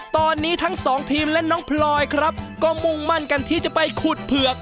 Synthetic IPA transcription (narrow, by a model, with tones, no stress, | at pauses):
t̪ɔː˧nːiː˦˥t̪ʰa˦˥ŋsɔː˩˦ŋt̪ʰiː˧mlɛ˦˥ʔnɔː˦˥ŋpʰlɔː˧jkʰɾa˦˥p̚kɔː˥˩mo˧ŋma˥˩nka˧nt̪ʰiː˥˩t͡ɕa˨˩pa˧jkʰuː˨˩t̪̚pʰɯ˨˩ək̚